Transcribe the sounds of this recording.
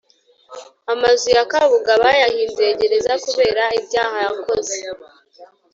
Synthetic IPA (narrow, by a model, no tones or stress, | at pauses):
amazujakaβuɡaβajahiːnze̞ːɟe̞ɾe̞zakuβe̞ːɾaibɟaːhajako̞ze